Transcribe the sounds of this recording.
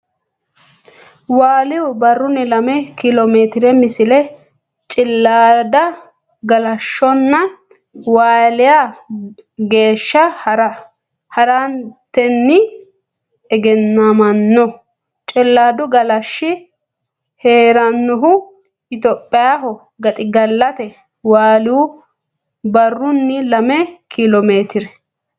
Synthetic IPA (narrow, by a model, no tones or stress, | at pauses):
waːlɪʊbɐrːʊnɛlɐmɛkɪlomeːt̪ɪɾɛmɪsɪlɛ | t͡ʃʼɪlːad̪ɐ | ɡɐlɐʃːɔnːɐ | waːlɪja | ɡe̞ːʃːɐɾɐ | hɐɾant̪ɛnːɪ | ɛɡɛnːɐmɐnːɔ | t͡ʃʼɛlːaːd̪ʊɡɐlɐʃːɪ | heːɾɐnːʊɦʊ | ʔɪt̪ɔpʼːɪjaɦɔ | ɡɐt̪ʼɪɡɐlːɐt̪ɛ | waːluː | bɐrːʊnːɪlɐmɛkɪlɔmeːt̪ɪɾɛ